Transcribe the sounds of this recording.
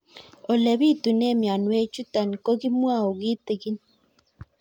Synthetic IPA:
o˨le˨βi˦tu˨ne˦˨mja˨nwe˦t͡ʃu˦ta˨ni˨ko˦ɣi˦mwa˦˨o˨ɣi˦te˨ɣi˦n

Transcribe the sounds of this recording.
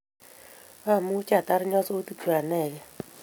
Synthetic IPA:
a˦˨mu˦t͡ʃa˦˨ta˦ɾɪ˦ɲɔ˦so˦tu˦tʰu˨a˨nɛ˦˨ɡɛ˦

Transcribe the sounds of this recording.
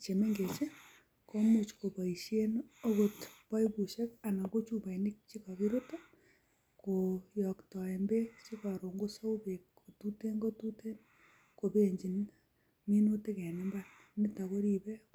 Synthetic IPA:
t͡ʃe˨me˦ŋɡe˨t͡ʃe˦ | ko˦mo˨t͡ʃko˨pa˨i˨ʃe˦no˦ko˨tpa˦jbu˨ʃɛ˦ka˨na˨ko˦t͡ʃu˦˨ba˨inɪ˦k̚t͡ʃi˦ka˨ki˦ɾo˦to˦ | ko˨jɔ˨ktɔ˨ɛ˨mbe˦t͡ʃi˦ka˨ɾo˨ŋɡo˦so˦u˦be˨kʰ | o˨tu˦te˦ŋɡo˦tu˦te˦n | ko˨pe˦ɲd͡ʒi˨n | mi˦no˦te˦kɛ˨ne˦mba˦ | nɪ˦ta˨ko˦ɾi˦bɛ˦

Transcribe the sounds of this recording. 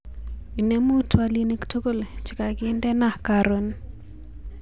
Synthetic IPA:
i˨ne˦mu˦twa˨li˦ne˦kto˦ko˦˨lt͡ʃɪ̥˨ka˨ɡɪ˦ndɛ˦na˦˨ka˨ɾo˦n

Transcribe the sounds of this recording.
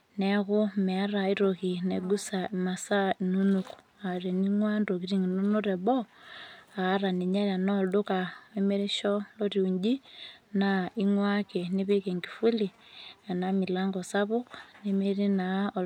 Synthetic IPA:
nɛɣʊ˦mɛ˨a˦ɾa˨i˦ɾoɣi˨nɛ˨ɡu˦sa˨i˨ma˨sa˦i˨nu˦nuku̥ | a˨ɾe˨ni˦ŋwa˦ndo˨ɣi˦ɾi˦ŋi˨nu˦no˦ɾɛ˨βɔ | aː˨˦ɾa˨ne˨ɲa˦ɾa˨nɔlo˦ka˨e˦mɛ˦ɾe˦ʃɔ˦lɔ˦ɾiu˨ɲd͡ʒi˦nai˦ŋwa˦ke˨nɪ˦βe˦ke˨ŋɡi˨fu˦li˨a˨nami˨la˦ŋɡɔ˨sa˦βʊ˦kne˦me˦ɾi˦naɔ˨

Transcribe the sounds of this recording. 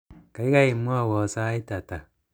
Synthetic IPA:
ka˨i˦ɣa˦i˨mu˦a˦˨wɔ˨sa˦i˦ta˨ta˨

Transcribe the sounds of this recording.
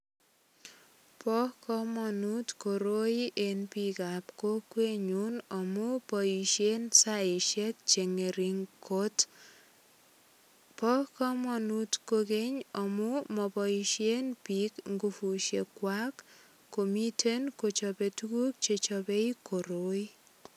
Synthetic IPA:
pɔ˦kɔ˦mɔ˨nu˦tko˨ɾo˦iʔe˨npi˨kapko˦kwe˦ɲu˦nɔ˨mu˦pɔi˨ʃe˦nsaɪ˨ʃe˦k̚t͡ʃe˨ŋe˨ɾi˨ŋkot | pɔ˦kɔ˦mɔ˨nutkoke˦ɲɔ˨mu˦mɔ˨pɔ˨iʃje˦npi˦kŋɡu˨fu˨ʃe˨kwa˦kː | o˨mi˦tʰe˦nko˨t͡ʃɔpe˨tu˦ku˦k̚t͡ʃe˨t͡ʃɔ˨be˦i˦ko˨ɾo˦i˦

